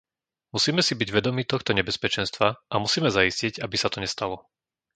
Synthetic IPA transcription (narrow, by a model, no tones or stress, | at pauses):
musiːmɛsibiɟʋɛd̪ɔmiːt̪ɔxt̪ɔɲɛbɛspɛt͡ʃɛnst̪ʋaʔamusiːmɛzaisciɟabisat̪ɔɲɛst̪alɔ